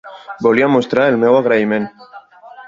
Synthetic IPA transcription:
boliamost̪ɾaɾelmeɣwaɣɾaime̞n

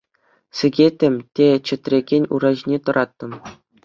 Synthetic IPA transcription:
sʲɘ̆ɡʲetʲːɘ̆mʲtʲet͡ɕɘ̆t̪ʲrʲeɡʲenʲṵɾɑʑinʲet̪ɤ̆ɾʔɑt̪ːɤ̆m

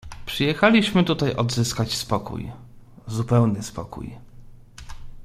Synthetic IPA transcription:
pʂɘjɛxalʲiɕmɘt̪ut̪ajʔɔd̪zɘskat͡ɕspɔkṵj | zupɛwnɘspɔ̰kṵj

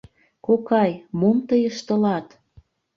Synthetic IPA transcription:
kokɑjmomt̪əjəʃt̪ə̆lɑt̪

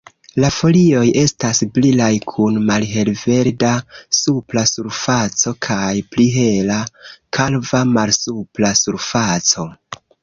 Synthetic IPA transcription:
lafo̞lio̞je̞stasblilajkʰunmalɦe̞lve̞ɾdasuplasuɾfat͡so̞kʰajpliɦe̞lakʰalvamalsuplasuɾfat͡so̞

